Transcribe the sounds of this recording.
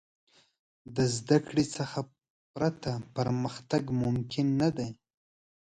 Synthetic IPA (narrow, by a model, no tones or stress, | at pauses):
d̪əzd̪akɽisəxa | pɾat̪apəɾməxt̪aɡmʊmkʰɪnːad̪aj